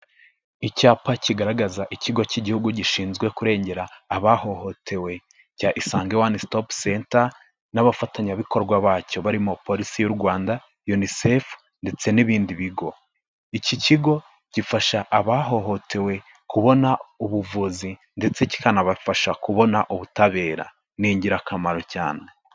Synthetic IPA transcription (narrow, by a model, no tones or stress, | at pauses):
icaːpaciɡaɾaɡazaʔiciɡo̞ciɟihuɡuɟiʃiːnzɡwe̞kuɾe̞ːɲɟe̞ɾaːβaho̞ho̞tʰe̞we̞ | caʔisaːŋɡewanistopsenta | naβafataɲaβiko̞ɾɡwaβaːco̞βaɾimopo̞ɾisijuɾɡwaːnda | junisef | nde̞t͡se̞niβiːndiβiɡo̞ | iciciɡo̞ | ɟ̥ifaʃaʔːβaɦo̞ɦo̞tʰe̞we̞ | kuβo̞nauβuvuzi | nde̞t͡se̞ci̥kanaβafaʃakuβo̞naʔuβutaβe̞ːɾa̰ | niːɲɟiɾakamaɾo̞caːne̞